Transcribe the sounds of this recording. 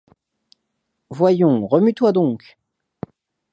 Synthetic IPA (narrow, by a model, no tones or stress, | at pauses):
vwajɔ̃ʁəmyt̪wad̪ɔ̃k